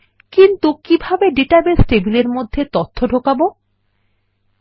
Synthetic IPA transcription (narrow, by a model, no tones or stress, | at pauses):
kint̪ukibʱabeɖeʈabesʈebileɾmod̪ʱːet̪ot̪ʰːoɖʱokabo